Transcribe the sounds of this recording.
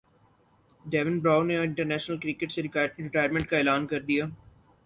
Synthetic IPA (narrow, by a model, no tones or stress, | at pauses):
ɖɛːʋə̃nbɾaːʊneɪ̃ɳʈəɾnɛːʃnəlkɾikeʈseɾɪkaːjəʈɾɪʈaːjəɾmẽɳʈ̚kaeːlaːnkɐɾd̪ijaː